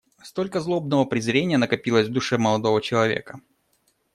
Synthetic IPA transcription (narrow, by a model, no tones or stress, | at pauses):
st̪olʲkəzlˠobnəvəpɾʲɪzɾʲenʲɪjənəkɐpʲilˠəzʲvd̪ʊʂɛməlˠɐd̪o̞vət͡ɕɪlˠɐvʲḛkə